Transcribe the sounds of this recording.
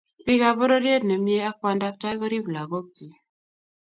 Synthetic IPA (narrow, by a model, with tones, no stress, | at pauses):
pi˦ka˦bɔ˦ɾɔ˦ɾje˦tnɛ˨mje˦a˦k̚a˦nda˦k̚ta˦jkɔ˦ɾi˦bu˨la˨ɡo˦k̚ti˨